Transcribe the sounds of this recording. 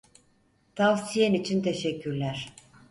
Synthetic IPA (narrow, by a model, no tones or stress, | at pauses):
t̪ʰavsijenit͡ʃʰint̪ʰeʃɛcʲːyɾlʲæɾ̥